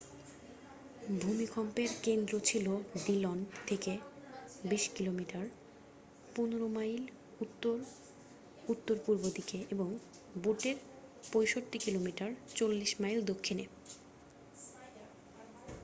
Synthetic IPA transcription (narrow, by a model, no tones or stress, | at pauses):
bʱumikɔmpeɾkend̪ɾot͡ɕʰiloɖ̪ilɔnt̪ʰeke | biʃkilomiʈaɾ | punɾomajl | ut̪ːoɾ | ut̪ːoɾpuɾbod̪ikeʔeboŋ | buʈeɾ | pojʃoʈːikilomiʈaɾt͡ɕolːiʃmajld̪okʰːine